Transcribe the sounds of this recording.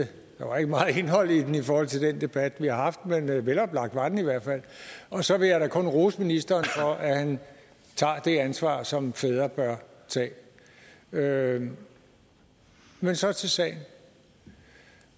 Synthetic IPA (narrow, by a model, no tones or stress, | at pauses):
d̥ɑʋɑ̈e̝ɡ̥əmɑ̈ːð̩ˠe̝nɦɒ̽l̰id̥enifɒːhɒ̽l̰t͡sʰe̝d̥end̥e̝b̥æd̥ʋihɑ̈ɦɑ̈fd̥menʋelɒ̽b̥lɑ̈ɡ̥̚d̥ʋɑ̈d̥n̩iʋæɐ̰d̥fæl̰ɒ̽sɒ̽ʋe̝jɑɾ̥ækʰɔ̽nʁosminisd̥ɐːnfɒ̽ʔæhæn | t͡sʰɑ̰̈ːd̥e̝ænsʋɑ̰̈ːsɒ̽mfeːð̞ˠɐb̥ɶɐt͡sʰɛ̰ː | ø | mensɒ̽t͡sʰe̝lsɛ̰ːɪn̩